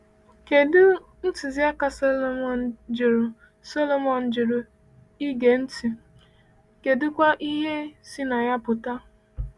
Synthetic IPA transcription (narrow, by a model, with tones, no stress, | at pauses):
ke˨dʊ˦ | n̩˦ti˨zi˦a˦ka˨so˦lo˦mɔ˨n˨d͡ʒɪ˨ɾʊ˨ | so˦lo˦˨mɔ˨n̩˨d͡ʒɪ˨ɾʊ˨ | i˦ɡe˨n̩˦ti˨ | ke˨dʊ˦kʷa˦ʔi˦ɦe˦si˦na˨ja˦pʊ˨ta˦